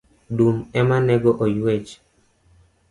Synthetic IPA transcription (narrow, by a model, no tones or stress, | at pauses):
dumɛmanɛɡɔʔojwet͡ʃ